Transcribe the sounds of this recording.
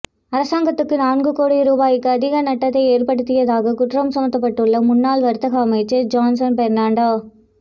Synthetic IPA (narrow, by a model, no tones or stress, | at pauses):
ɐɾɐsaːŋɡɐt̪ːɯkːɯnaːnɡɯkoːɽiɾuːbaːjɪkːɯɐðɪɣɐnɐʈːɐt̪ːɐɪeːrpɐɽɯt̪ːɪjɐðaːɣɐkʊʈrɐmsɐmɐt̪ːɐpːɐʈːɯɭːɐmʊnːaːlʋɐɾɯt̪ːɐɣɐɐmɐɪt͡ʃːɐd͡ʒaːnsɐnpɛɾnaːɳɖaː